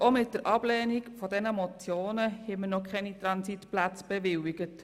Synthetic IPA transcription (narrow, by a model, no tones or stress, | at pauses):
omɪt̚d̥əɾʔɑb̥lɛːnikfɔdɛnəmɔt͡sjoːnəhɪmənɔkχɛnit̪ɾɑnsitplæt͡sb̥ɛʋɪwiɡ̥ət